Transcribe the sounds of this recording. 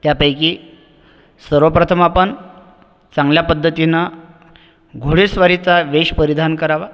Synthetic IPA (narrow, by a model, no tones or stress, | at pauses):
t̪japəjkiː | səɾʋəpɾət̪ʰəmapən | t͡sãŋɡljapəd̪ʱːət̪ina | ɡʱoɽesʋaɾit͡saʋeɕpəɾid̪ʱankəɾaʋa